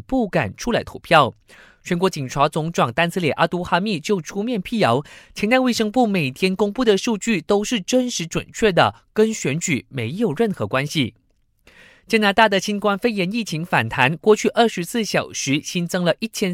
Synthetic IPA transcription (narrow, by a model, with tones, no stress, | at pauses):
pu˥˩ka˨˩nʈ͡ʂʰu˥la˧˥ɪt̪ʰu˨˧˩pʰjɑ˥˩ʊ | t͡ɕʰɥɛ˧˥nkwɔ˧˥t͡ɕi˨˩nʈ͡ʂʰwa˧˥t͡sʊ˧˥ŋʈ͡ʂwɑ˨˩ŋt̪a˥nsɹ̩˥ljɛ˨˩ʔa˧˥t̪u˧˥xa˥mi˥˧t͡ɕjo˥˩ʊʈ͡ʂʰu˥mjɛ˥˧npʰi˥˩jɑ˧˥ʊt͡ɕʰɛ˧˥nt̪a˥˧ɪwe˥˩ɪʂɤ˥ŋpu˥˩me˨˩ɪt̪ʰjɛ˥nkʊ˥ŋpu˥˩d̪ə˨ʂu˥˧t͡ɕy˥˩t̪o˥ʊʂɻ̩˥˩ʈ͡ʂə˥nʂɻ̩˧˥ʈ͡ʂwə̰˨˩nt͡ɕʰɥɛ˥˩d̪ə˩kə˥nɕɥɛ˧˥nt͡ɕy˨˩me˧˥ɪjo˨˩ʊɻə˥˩nxɤ˧˥kwa˥nɕi˨˩ | t͡ɕja˥na˧˥t̪a˥˩d̪ə˩ɕi˥nkwa˥nfe˥˩ɪjɛ˧˥ni˥˩t͡ɕʰi˧˥ŋfa̰˨˩nt̪ʰa˧˥nkwɔ˥˧t͡ɕʰy˥˧ʔə˥˩ʂɻ̩˧˥sɹ̩˥˩ɕjɑ˨˩ʊʂɻ̩˧˥ɕi˥nt͡sɤ˥ŋlə˨ʔi˥˩t͡ɕʰjɛ˥n